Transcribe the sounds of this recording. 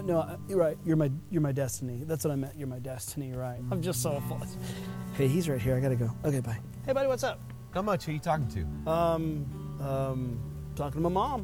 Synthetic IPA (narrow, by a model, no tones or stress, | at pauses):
noʊjɹaɪt̚jə˞maɪjə˞maɪdɛstɨniðætswʌɾaɪmɛ̃ʔə˞maɪdɛstʰɨniɹaɪt̚ãɪ̃md͡ʒʌstsoʊfɔtokʰeɪhizɹaɪt̚hiɹaɪɡɑɾɨɡoʊoʊkʰeɪbaɪ | heɪbɑɾiwʌtsʌp̚ | kʌ̃mʌt͡ʃhəjɨtʰɔkɪ̃ŋtʰʉ̰ʌ̃m | ʌ̃m | tʰɔkɪ̃ŋtʰəmaɪmɑ̃m